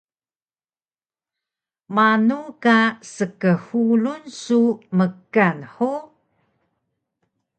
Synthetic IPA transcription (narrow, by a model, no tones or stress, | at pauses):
manukasəkəhulunsuməkanħu